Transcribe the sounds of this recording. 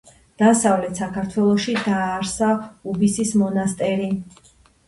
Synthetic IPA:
d̪̥asavlɛt̪sakʰaɾt̪ʰwɛlˠɔʃid̪aːɾsaubisismɔnast̪ʼɛɾi

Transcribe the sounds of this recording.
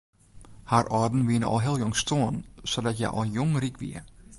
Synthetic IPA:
harɔdn̩ʋiənəɔ̰lˠɦɪəlˠjoŋstoːənsodɔtjɛ̰jʔɔ̰lˠjoŋrikʋḭə

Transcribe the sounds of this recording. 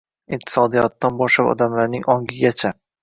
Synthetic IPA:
ɪq̚t̪ʰɪ̥sɒd̪ijɒt̪ːanbɒʃlapɒ̰d̪amlaɾnɪŋɒŋɡʲɪɡʲat͡ʃʰa

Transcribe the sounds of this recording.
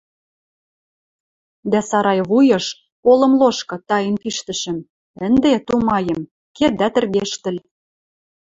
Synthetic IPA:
d̪æsɑɾɑjβujɤ̆ʃ | kolɤ̆mloʃkɤ̆t̪ɑjə̆npiʃt̪ə̆ʃə̆m | ə̆nd̪et̪umɑjɤ̆m | ked̪æt̪ə̆rɣeʃt̪ə̆lʲ

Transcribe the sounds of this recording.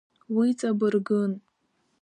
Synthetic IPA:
wit͡sʼabɨrɡɨn

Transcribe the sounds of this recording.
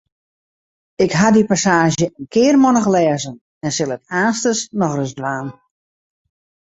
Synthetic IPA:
ɪkɦadipasaːʒjəənkʰɪːrmɔnəxlɛːzən | ɛnsɪlˠətaːstəsnɔxrəzdʋaːn

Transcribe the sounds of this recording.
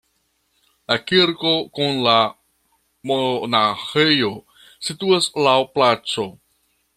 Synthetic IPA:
lakiɾko̞kunla | monaxejo̞ | situaslawplat͡so̞

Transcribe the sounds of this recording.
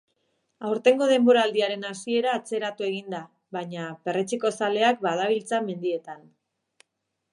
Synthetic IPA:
awɾt̪e̞ŋɡo̞ð̞e̞mbo̞ɾaːld̪iaɾe̞nasie̞ɾaːt͡se̞ɾat̪ue̞ɣ̞ind̪a | βaɲape̞ret͡siko̞sale̞ak̚baðaβ̞ilt͡same̞nd̪ie̞t̪an

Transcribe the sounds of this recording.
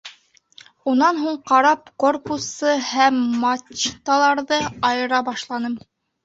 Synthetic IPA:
unɑnɦuɴqɑɾɑp̚ko̞rpusɤhæmːɑt͡ʃt̪ɑlˠɑɾðɤɑjɤ̆ɾɑbɑʃlˠɑnɤm

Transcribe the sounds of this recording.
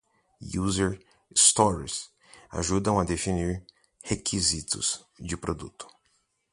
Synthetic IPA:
juzeɾ | st̪ɔɾs | a̰ʒud̪ɐ̃w̃ɐd̪efiniɾ | hekʰizit̪ʊ̰s | d͡ʒɪpɾod̪ṵt̪ʊ̥

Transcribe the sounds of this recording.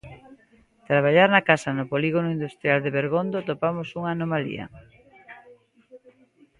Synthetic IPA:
t̪ɾaβ̞aʎaɾnakasanʊpoliɣonoind̪ust̪ɾjald̪eβeɾɣ̞ond̪ot̪opamosuŋaːnomalḭɐ̰

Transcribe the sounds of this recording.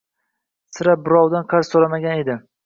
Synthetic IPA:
sɪɾabɪɾɒwd̪anqʰɑɾz̥solamaɡʲane̞d̪ɪ

